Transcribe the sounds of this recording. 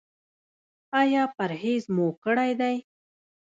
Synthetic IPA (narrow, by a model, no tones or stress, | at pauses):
ɑjɑpaɾhezmokəɽajd̪aj